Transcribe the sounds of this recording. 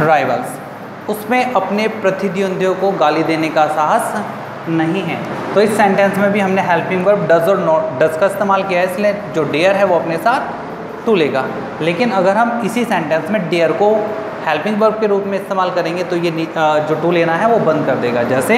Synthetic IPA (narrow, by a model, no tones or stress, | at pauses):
ɾaːɪʋəls | ʊsmẽʔɐpnepɾɐt̪ɪd̪ʱijʊ̃nd̪ʱjõkoɡaːlid̪eːnekasaːɦəs | nɐɦĩɦɛ̰ːt̪oɪsːɛ̃ːɳʈɛ̃ːnsmẽbʱiɦɐmneɦɛːlpɪ̃ŋɡʋəɾɡɖɐzɔːɾnɔːɖɐzkaɪst̪eːmaːlkijaɦɛɪslẽd͡ʒoːɖeːəɾɦɛʋoɐpnesaːt̪ʰ | ʈuːleːɡa̰ː | leːkɪnɐɡəɾɦɐmɪsisɛ̃ːɳʈɛ̃ːnsmẽɖeːəɾko | hɛːlpɪ̃ŋɡʋəɾɡ̚keɾuːpmẽɪst̪eːmaːlkɐɾẽːŋɡet̪ojenid͡ʒoːʈuleːnaɦɛʋobɐ̃nd̪̚kɐɾd̪eːɡaːd͡ʒɛːse